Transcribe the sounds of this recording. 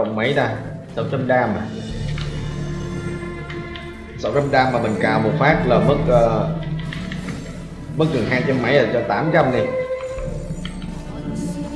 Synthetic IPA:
wŋ͡mmə˨˦jɗaː˧˩sə˧˩wt͡ɕa˧mɗaː˧ma˨˩ | sə̰˧˩wt͡ɕa˧mɗaː˧maː˨˩ɓə̈˨˩ŋ̟kaː˨˩wmo˨˩t̚faː˦˥k̚laː˨˩mə˦˥t̚ː | mə˦˥k̚ɣɨ˨˩ŋɦaː˧jt͡ɕə˧mːə˨˦jʔəː˧˩t͡ɕɔ˧t̪aː˨˦mt͡ɕa˧mɗi˨˧˩

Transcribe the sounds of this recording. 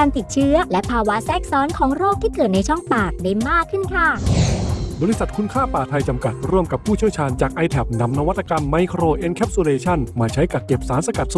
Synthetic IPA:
kaː˧nt̪i˨˩t̪̚t͡ɕʰɯ˦˥ɐlɛ˦˥pʰaː˧wa˦˥sɛː˥˩k̚sɔː˦˥nkʰɔː˩˦ŋɾoː˥˩k̚t̪ʰiː˥˩kɤː˨˩t̪̚na˧jt͡ɕʰɔ˥˩ŋpaː˨˩k̚da˥˩jmaː˥˩kʰːɯ˥˩nkʰa˥˩ | bɔː˧ɾi˧˥sa˨˩t̪̚kʰu˧˥nkʰaː˥˩paː˨˩t̪ʰa˧jt͡ɕa˧mka˨˩t̪̚ɾu˥˩əmka˨˩p̚ʰːuː˥˩t͡ɕʰi˥˩əwt͡ɕʰaː˧nt͡ɕaː˨˩k̚ʔa˧jt̪ʰɛ˨˩p̚na˧˥mna˧wa˦˥t̪̚ːa˧ka˧mːa˧jkʰɾoː˧ʔe˧nkʰɛ˦˥p̚su˧leː˧t͡ɕʰɔ˥˩nmaː˧t͡ɕʰa˦˥jka˨˩t̚ke˨˩p̚saː˩˦nsa˧ka˨˩t̪̚su˨˩

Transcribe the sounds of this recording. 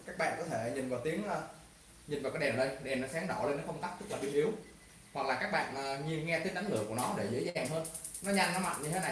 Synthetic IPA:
kaː˦˥k̚ɓa̰ː˧˨nkɔ˨˦t̪ʰe˧˩˨ɲï˨˩nvaː˨˩wt̪i˨˦əŋə˧ | ɲi˨˩n̟vaː˨˩kaː˨˥jɗɛ˨˩mɗə˧jɗɛ˨˩mnːɔ˨˦saː˨˦ŋɗɔ̰˧˩˨le˧nːəː˨˦˥kə˧ŋ͡mt̪aː˦˥k̚t̪k̚la˨˩i˧əʔi˨˦əw | hwa˨˩k̚laː˨˩kaː˦˥k̚ɓa̰ː˧˨nʔəː˨˩ŋi˧ənŋɛ˧t̪i̟˦ʔa˨˦ŋ̟lɨ̰˨˧˨əku˧˩ənɔ˨˦ɗe˧˩zɨ̰˨˦jzaaː˨˩ŋɦəː˧n | nɔ˨˦ɲa˧ŋnɔ˨˦ma̰˧˨nɲɨ˧t̪ʰe˨˦na˨˩

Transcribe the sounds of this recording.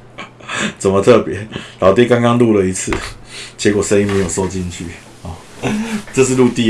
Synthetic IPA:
t͡sə˨˩nmə˦t̪ʰɤ˥˩pjɛ˨˧˥lɑ˨˦ʊt̪jɛ˥˦ka˥ŋkɑ˥ŋlu˥˧lə˩i˧˥t͡sʰɹ̩˥˩˨t͡ɕjɛ˧˥kwɔ˨˩ʂə˥˦i˥ŋme˧˥ɪjʊso˥˧ʊt͡ɕi˥˧nt͡ɕʰy̰˥˨˩ | ʈ͡ʂɤ˥˧ʂ̬ɻ̩˥˧lu˥˧t̪i˥˨

